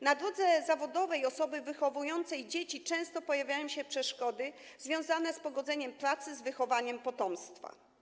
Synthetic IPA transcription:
nad̪ɾɔd̪zɛzavɔd̪ɔvɛjɔsɔbɘvɘxɔvujɔnt̪sɛjd͡ʑet͡ɕit͡ʂɛ̃w̃st̪ɔpɔjavʲjajɔ̃w̃ɕɛpʂɛʂkɔd̪ɘ | zvʲjɔ̃w̃zanɛspɔɡɔd̪zɛɲɛmpɾat̪sɘzvɘxɔvaɲɛmpɔt̪ɔmst̪fa̰

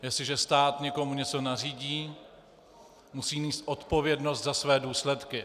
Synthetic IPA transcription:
jɛsɪʒɛst̪aːt̪ɲɛko̞muɲɛt͡so̞nariːɟiː | musiːniːst̪ʔo̞t̪po̞vjɛdno̞st̪zasvɛːduːslɛt̪kɪ

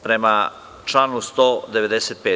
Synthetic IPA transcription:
pɾema | t͡ʃlaːnust̪oːd̪e̞ʋe̞d̪eset̪̚peː

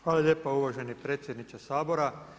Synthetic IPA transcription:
xʋaːlˠalje̞ːpauʋaʒe̞nipɾeːt̪sjed̪nit͡ʃasaːbo̞ɾa

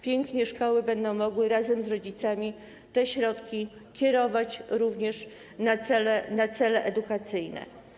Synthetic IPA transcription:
pʲjɛŋkɲɛʂkɔwɘbɛnd̪ɔ̃w̃mɔɡwɘɾazɛmzɾɔd͡ʑit̪samʲi | t̪ɛɕɾɔt̪kʲi | kʲjɛɾɔvat͡ɕɾuvɲɛʂ | nat̪sɛlɛnat̪sɛlɛʔɛd̪ukat̪sɘjnɛ̰

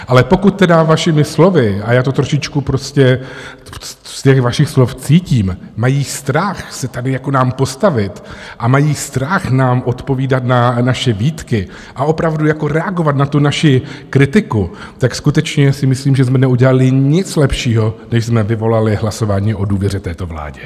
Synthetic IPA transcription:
ʔalɛpo̞kut̪̚t̪ːɛdavaʃɪmɪslo̞vɪajaːt̪o̞t̪ɾoʃɪt͡ʃkupɾoscɛ | scɛxvaʃɪxsloft͡siːciːm | majiːst̪ɾaxsɛt̪adɪjakonaːmpo̞st̪avɪt̪ʔamajiːst̪ɾaxnaːmʔo̞t̪po̞viːdat̪nanaʃɛviːt̪kɪ | ʔaʔo̞pɾavdujako̞ɾɛaɡo̞vat̪nat̪unaʃɪkɾɪt̪ɪku | t̪akskut̪ɛt͡ʃɲɛsɪmɪsliːmʒɛsmɛnɛuɟɛlalɪɲɪt͡slɛpʃiːɦo̞nɛʃzmɛvɪvo̞lalɪɦlaso̞vaːɲiːʔo̞duːvjɛɾɛt̪ɛːt̪o̞vla̰ːɟɛ

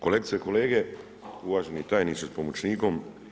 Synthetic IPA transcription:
kolek̪sieko̞leːɡe | uʋaːʒenit̪aːjnit͡ʃ̪espomot͡ʃniːkom

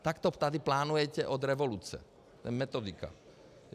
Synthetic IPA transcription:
t̪akt̪ɔt̪ad̪iplaːnujɛcɛʔɔd̪ɾɛʋɔluːt͡sɛ̰ | t̪ɛ̰mɛt̪ɔd̪ika̰

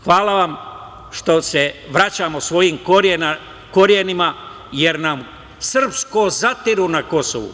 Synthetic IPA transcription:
xʋaːlaʋam | ʃt̪o̞seʋɾat͡ɕaːmosʋo̞jimkoena | ko̞ɾjenima | je̞ɾnam | sr̩pskozat̪iɾunako̞so̰ʋṵ

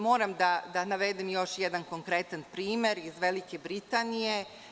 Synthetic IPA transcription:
mo̞ːɾamd̪ad̪anaʋed̪imjo̞ʃjed̪anko̞ŋkɾet̪anpɾiːme̞ɾizʋelikebɾit̪anije̞

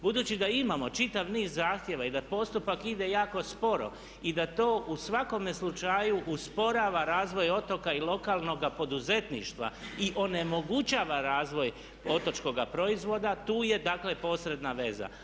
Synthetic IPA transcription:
bud̪uːt͡ɕid̪aimamo̞t͡ʃit̪aʋniːzzaːxt̪jeʋaid̪apo̞st̪upakid̪e̞jaːko̞spo̞ɾo̞̰ | id̪at̪o̞ːʔusʋako̞meslut͡ʃajuʔuspo̞ɾaːʋaɾaːzʋo̞jo̞t̪o̞kailo̞kaːlˠno̞ɡapo̞d̪uze̞t̪nḭʃt̪ʋa̰iʔo̞ne̞mo̞ɡut͡ʃaːʋaɾaːzʋo̞j | o̞t̪o̞t͡ʃko̞ɡapɾo̞izʋo̞d̪at̪uːje̞d̪aːkle̞po̞sɾe̞d̪naʋe̞za̰

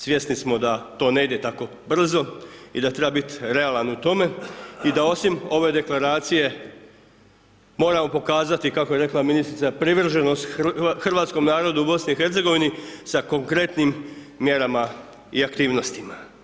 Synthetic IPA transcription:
sʋje̞snismo̞d̪at̪o̞ːne̞id̪e̞t̪ako̞ | br̩zo̞id̪at̪ɾebabit̪ɾe̞alˠanut̪o̞me̞id̪ao̞simo̞ʋe̞d̪e̞klaɾaːt̪sije̞ | mo̞ːɾamo̞po̞kaːzat̪ikako̞je̞ɾe̞klaminist̪ɾit̪sapɾiʋr̩ʒeno̞st̪xrʋaːt̪sko̞mnaːɾo̞d̪uubo̞sniixe̞ɾt̪se̞ɡo̞ʋinisako̞ŋkɾe̞t̪nimː | je̞ɾama | iakt̪iːʋno̞st̪ima

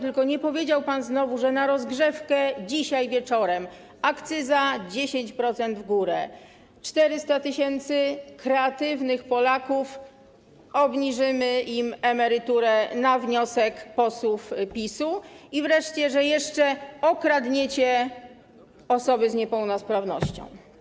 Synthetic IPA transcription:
t̪ɘlkɔɲɛpɔvʲjed͡ʑawpanznɔvuʐɛnaɾɔzɡʐɛfkɛd͡ʑiɕajvʲjɛt͡ʂɔɾɛm | akt̪sɘzad͡ʑeɕeɲt͡ɕpɾɔt̪sɛnd̪vɡuɾɛ | t͡ʂt̪ɛɾɘst̪at̪ɘɕɛnt̪sɘkɾɛat̪ɘvnɘxpɔlakuf | ɔbɲiʐɘmɘimɛmɛɾɘt̪uɾɛnavɲɔsɛkpɔswufpʲisuivɾɛʂt͡ɕɛʐɛjɛʂt͡ʂɛɔkɾad̪ɲet͡ɕɛ | ɔsɔbɘzɲɛpɛwnɔspɾavnɔ̰ɕt͡ɕɔ̰̃w̃

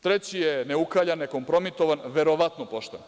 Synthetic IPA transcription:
t̪ɾet͡ɕijeneukaʎaneko̞mpɾo̞mit̪oʋanʋeɾoʋat̪nopoʃt̪en

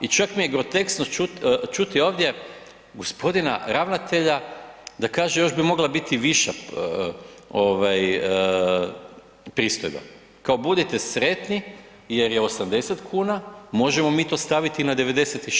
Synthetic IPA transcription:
it͡ʃakmijeɡɾo̞t̪e̞ksnot͡ʃut͡ʃut̪io̞ːʋd̪je | ɡo̞spo̞d̪ina̰ɾaʋnat̪e̞ʎad̪akaːʒejo̞ʒbimo̞ɡlˠabit̪iʋiʃa | o̞ʋaj | pɾiːst̪o̰jba̰ | kao̞bud̪it̪e̞sɾe̞t̪ni | je̞ɾjeo̞samd̪e̞set̪kʰuːnamo̞ʒemo̞miːt̪o̞ːst̪aʋit̪inad̪e̞ʋe̞d̪eset̪i

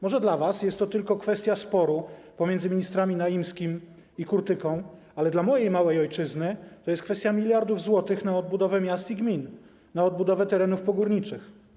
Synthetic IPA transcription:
mɔʐɛd̪lavasjɛst̪ːɔt̪ɘlkɔkfɛst̪ʲjaspɔɾupɔmʲjɛnd̪zɘmʲiɲist̪ɾamʲinajimskʲim | ikuɾt̪ɘkɔ̃w̃ | alɛd̪lamɔjejmawɛjɔjt͡ʂɘznɘt̪ɔjɛst̪kfɛst̪jamʲilʲjaɾd̪uvzwɔt̪ɘxnaɔd̪̚bud̪ɔvɛmʲjast̪iɡmʲin | naɔd̪̚bud̪ɔvɛt̪ɛɾɛnufpɔɡuɾɲit͡ʂɘx

